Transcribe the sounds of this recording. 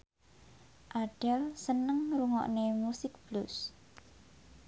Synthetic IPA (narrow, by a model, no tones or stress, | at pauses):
ʔaɖ̥ɛlsənəŋɾuŋɔ̰ʔnemusɪk̚b̥lʊs